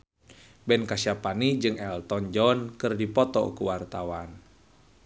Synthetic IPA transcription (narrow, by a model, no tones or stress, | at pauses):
bɛnkasiapanid͡ʒɨŋɛlt̪ɔnd͡ʒɔnkɨrdipɔt̪ɔ̰kuwart̪awan